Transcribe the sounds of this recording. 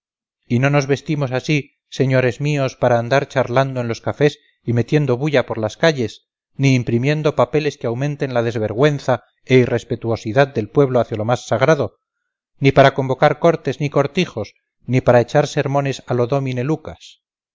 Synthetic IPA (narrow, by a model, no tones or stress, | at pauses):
ino̞no̞zβe̞st̪imo̞sasi | se̞ɲo̞ɾe̞zmio̞spaɾaːnd̪aɾt͡ʃaɾland̪o̞e̞nlo̞skafe̞s | ime̞t̪je̞nd̪o̞βuʎapo̞ɾlaskaʎe̞s | niːmpɾimjẽ̞nd̪o̞pape̞le̞skeawmẽ̞nt̪e̞nlað̞e̞zβe̞ɾɣwe̞nθa | eire̞spe̞t̪uo̞siðad̪̚d̪e̞lpwe̞β̞lo̞aθjalo̞masːaɣ̞ɾaðo̞ | nipaɾako̞mbo̞kaɾko̞ɾt̪e̞zniko̞ɾt̪ixo̞s | nipaɾae̞t͡ʃaɾse̞ɾmõ̞ne̞salo̞ðomine̞lukas